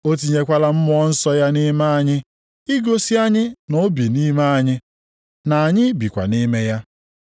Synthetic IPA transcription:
o˦t̬i˨ɲe˦kʷa˦la˦m̩˦mʊ˦ɔ˦n̩˦sɔ˦ja˦ni˦ma˦a˨ɲɪ˦ | i˦ɡo˦si˦a˦ɲɪ˦no˦bi˨ni˦ma˦a˨ɲɪ˦ | na˨a˨ɲɪ˦bi˨kʷa̰˨ni˦me˦ja˦

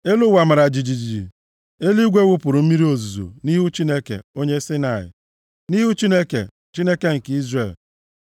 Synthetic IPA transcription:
e˦lʊ˦wa˨ma˨ɾa˨d͡ʒi˨d͡ʒi˨d͡ʒi˨d͡ʒḭ˨ | e˦li˦ɡʷe˦wʷʊ˦pʊ˨ɾʊ˨m̩˦mi˦ɾi˦o˨zu˨zo̰˨ni˦ɦu˦t͡ʃi˦ne˦kḛ˨o˦ɲe˦sɪ˦na˨ɪ̰˨ | ni˦ɦu˦t͡ʃi˦ne˦kḛ˨ | t͡ʃi˦ne˦ke˦ŋ̩˨ki˦zre˨l

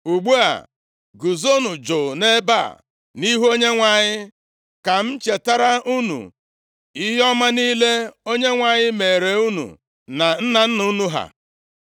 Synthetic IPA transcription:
u˨ɡ͡bu˦a̰˨ | ɡu˨zo˦nʊ˨d͡ʒo˨ne˦ba̰˦˨ | ni˦ɦu˦o˦ɲe˦ŋʷa˨ɲɪ˦ | ka˨m̩˦t͡ʃe˨ta˦ɾa˦u˦nṵ˨ | i˦ɦɔ˦ma˦niː˦le˦o˦ɲe˦ŋʷa˨ɲɪ˦me˨ɾe˨u˦nṵ˨ | na˨n̩˦na˨n̩˦nu˦nu˦ɦa̰˨

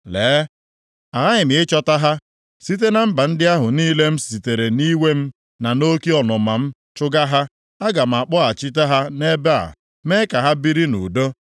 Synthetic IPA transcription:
leː˨˦ | a˨ɣa˦ɲɪ˨mɪ˨ɪ˦t͡ʃɔ˦ta˦ɦa˦ | si˦t̬e˦na˨m̩˦ba˨n̩˦dɪ˦a˦ɦʊ˨niː˦le˦m̩˦si˨te˨ɾe˨ni˦we˦m̩˦ | na˨no˦ki˦ɔ˨nɔ˨ma˨m̩˦ | t͡ʃʊ˦ɡa˦ɦa˦ | a˦ɡa˨m̩˨a˨k͡pɔ˦a˨t͡ʃi˦t̬a˦ɦa˦ne˦be˦a̰˨ | me˦ka˨ɦa˦bi˦ɾi˦nṵ˨do˦

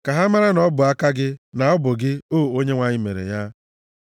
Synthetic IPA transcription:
ka˨ɦa˦ma˦ɾa˦nɔ˦bʊ˨a˦ka˦ɡɪ˦na˨ɔ˦bʊ˨ɡɪ˦o˦˨o˦ɲe˦ŋʷa˦ɲɪ˦mḛ˨ɾḛ˨ja˦

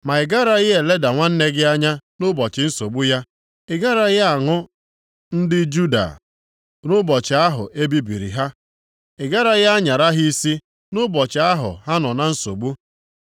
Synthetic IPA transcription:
ma˨ɪ˨ɡa˦ɾa˦ɣɪ˦e˨le˦da˨ŋʷa˦n̩˦ne˦ɡɪ˦a˦ɲa˦nʊ˦bɔ˨t͡ʃɪ˨n̩˦so˨ɡ͡bu˦ja˦ | ɪ˨ɡa˦ɾa˦ɣɪ˦a˨ŋʊ˦ | n̩˦dɪ˦d͡ʒu˦da̰˨ | nʊ˦bɔ˨t͡ʃɪ˨a˦ɦʊ̰˨ʔe˦bi˦bi˨ɾḭ˨ɦa˦ | ɪ˨ɡa˦ɾa˦ɣa˦ɲa˨ɾa˦ɦi˦si˦ | nʊ˦bɔ˨t͡ʃɪ˨a˦ɦʊ̰˨ha˦nɔ˨na˨n̩˦so̰˨ɡ͡bu˦

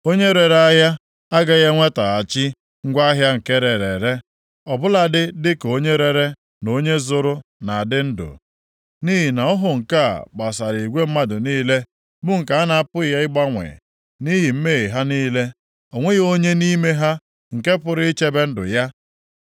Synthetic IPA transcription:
o˦ɲe˦ɾe˨ɾa˦ja˦ | a˦ɡa˦ɣe˦ŋʷe˦ta˨a˨t͡ʃi˦ | ŋ̩˦ɡʷa˦ɦja˦ŋ̩˨ke˦ɾe˨ɾe˨ɾe˦ | ɔ˨bʊ˦la˨dɪ˦dɪ˦ko˦ɲe˦ɾe˨ɾe˦ | no˨˦ɲe˦zʊ˦ɾʊ˦na˨a˨dɪ˦n̩˦dʊ̰˨ | ni˦ɦi˨na˨ɔ˦ɦʊ˨ŋ̩˨ka˦a̰˨k͡pa˨sa˨ɾi˨ɡʷe˦m̩˦ma˦dʊ˨niː˦le˦ | bʊ˦ŋ̩˨ka˨a˦na˨a˦pʊ˦˨˦ja˦ɪ˦ɡ͡ba˦ŋʷḛ˨ | ni˦ɦi˨m̩˦me˦i˨ɦa˦niː˦le˦ | o˨ŋʷe˦ɣo˦ɲe˦ni˦me˦ɦa˦ | ŋ̩˨ke˦pʊ˨ɾɪ˦i˦t͡ʃe˦be˦n̩˦dʊ̰˨ja˦

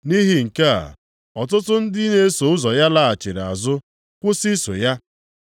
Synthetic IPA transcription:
ni˦ɦi˨ŋ̩˨ke˦a̰˨ | ɔ˨tʊ˦tʊ˦n̩˦dɪ˦ne˦so˨ʊ˦zɔ˨ja˦la˦a˨t͡ʃɪ˨ɾa̰˨zʊ˦ | kʷʊ˦si˦so˨ja˦

